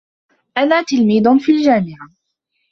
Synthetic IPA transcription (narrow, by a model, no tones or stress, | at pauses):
ʔanaːt̪ɪlmiːd̪ʊnfiːld͡ʒaːmɪʕa